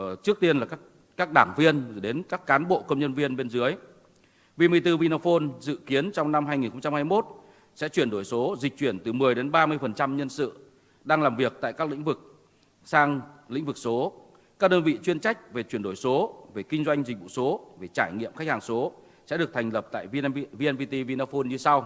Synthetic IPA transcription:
t͡ɕɨ˦˥ək̚t̪i˧ənlaː˨˩kaː˦˥ | kaː˦˥k̚ɗaː˧˩ŋvi˧ənɗe˨˦nkaː˦˥kːaː˨˦nɓo̰˧˨kə˧wŋ͡mɲə˧nvi˧ənɓe˧nzɨ˨˦əj | vi˨˩mɨ˨˩əjt̪ɨ˧vi˧no˧fo˧nzɨ̰˧˨ki˨˦ənt͡ɕɔ˧wŋ͡mna˧mɦaː˧jŋi˨˩nxə˧ŋ͡mt͡ɕa˧mhaː˧jmo˦˥t̚ | sɛ̰˧˥t͡ɕwi˧˩ənɗo˧˩jso˨˦zi̟˨˩t͡ɕwi˧˩ənt̪ɨ˨˩mɨ˨˩əjɗe˨˦nɓaː˧mɨ˧əjfə˨˩nt͡ɕa˧mɲə˧nsɨ̰˧˨ | ɗaː˧ŋlaː˨˩mvi˨˩ək̚t̪a̰ː˧˨kaː˦˥k̚lḭ˧˥ŋ̟vɨ˨˩k̚ | saː˧ŋlḭ̈˧˥ŋ̟vɨ˨˩k̚so˨˦ | kaː˦˥k̚ɗoː˧nvḭ˧˨t͡ɕwi˧ənt͡ɕa˦˥jk̟̚ve˨˩t͡ɕwənɗo˧˩jso˨˦ve˨˩kï˧ŋ̟zwa˧jŋ̟zi˨˩k̟̚vṵ˧˨so˨˦ve˨˩t͡ɕaː˧˩jŋḭ˧˨əmxjk̚haː˨˩ŋso˨˦ | sɛ̰˧˥ɗɨ˨˩ək̚t̪ʰjŋ̟lə˨˩p̚t̪a̰ː˧˨jvi˧ʔɛ˧nvi˧t̪i˧vi˧na˧fo˧nɲɨ˧sa˧w

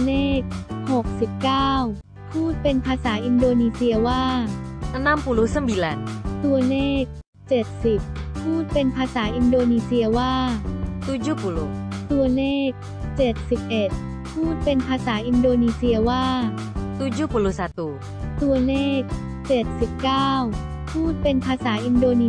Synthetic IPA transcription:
leː˥˩˥k̚ho˨˩k̚si˨˩p̚kaː˥˩w | pʰuː˥˩t̪̚pe˧npʰaː˧saː˩˦ʔi˧ndoː˧niː˧si˧ɐwaː˥˩a˧na˥˨mpu˧lu˧˦˥sa˥˩mbi˧lɛ˨˧˦nt̪u˧ɐleː˥˩k̚ | t͡ɕe˨˩t̪̚si˨˩p̚ʰːuː˥˩t̪̚pe˧npʰaː˧saː˩˦ʔi˧ndoː˧niː˧si˧ɐwaː˥˩t̪u˧˥d͡ʑu˥˩pu˨lu˨˧˩t̪u˧ɐleː˥˩k̚ | t͡ɕe˨˩t̪̚si˨˩p̚ʔe˨˩t̪̚ | pʰuː˥˩t̪̚pe˧npʰaː˧saː˩˦ʔi˧ndoː˧niː˧si˧ɐwaː˥˩ | t̪u˧d͡ʑu˥pu˨˧lu˧˦sa˨˧˦t̪uː˧˩ | t̪u˧ɐleː˥˩k̚ | t͡ɕe˨˩t̪̚si˨˩p̚kaː˥˩w | pʰuː˥˩t̪̚pe˧npʰaː˧saː˩˦ʔi˧ndoː˧niː˧

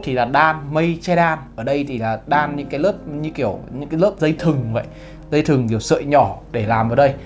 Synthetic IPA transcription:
t̪ʰi˨˩laː˨˩ɗaː˧nmə˧jt͡ɕɛ˧jɗaː˧nʔəː˧˩ɗə˧jt̪ʰi˨˩laː˨˩ɗaː˧nɲɨ̰˧˥ŋkaː˨˦jləː˦˥p̚ɲɨ̰˧˥ŋki˧˩əwɲɨ̰˧˥ŋkaː˨˦ləː˦˥p̚zə˧jt̪ʰɨ˨˩ŋvə̰˧˨j | zə˧jt̪ʰɨ˨˩ŋki˧˩əwsə̰˧˨jɲɔ˧˩˦ɗe˧˩laː˨˩mʔəː˧˩ɗə˧j

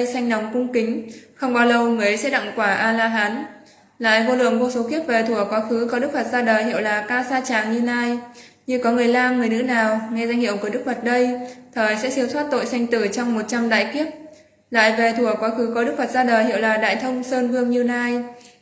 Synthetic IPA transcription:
sa˧jŋ̟na˨˩wŋ͡mkʊ˧ŋ͡mkï˨˦ŋ̟xə˧wŋ͡mɓaː˧wlə˧˩wŋɨ˨˩˨jsɛ̰˧˥ɗa̰˧˨ŋkwaː˧˩ʔaː˧laː˧ɦaː˨˦n | la̰ː˧˨jvo˧lɨ̰˧˨əŋvo˧so˨˦ki˦˥əp̚ve˨˩t̪ʰu˧˩əkwaː˨˦xɨ˨˦kɔ˨˦ɗɨ˦˥k̚fə˨˩t̚zaː˧ɗəː˨˩jhḭ˧˨ə˨wlaː˨˩kaː˧saː˧t͡ɕaː˨˩ŋɲɨ˧naː˧j | ɲɨ˧kɔ˨˦ŋɨ˨˩əjlaː˧mŋɨ˨˩əjnɨ̰˧˥naː˨˩wŋɛ˧za˧ŋ̟hḭ˧˨əwku˧˩əɗɨ˦˥k̚fə˨˩t̚ɗə˧jt̪ʰəː˨˩jsɛ̰˧˥si˧˦ət̪wa˦˥t̚t̪o̰˧˨jsa˧jŋ̟t̪ɨ˧˩t͡ɕɔ˧wŋ͡mmo˨˩t̚t͡ɕa˧mɗa̰ː˧˨jki˦˥əp̚ | la̰ː˧˨jve˨˩t̪ʰu˧˩əkwaː˨˦xɨ˨˦kɔ˨˦ɗɨ˦˥k̚fə˨˩t̚zaː˧ɗəː˨˩jhḭ˧˨əwlaː˨˩ɗa̰ː˧˨jt̪ʰə˧wŋ͡msəː˧nvɨ˧əŋɲɨ˧naː˧j

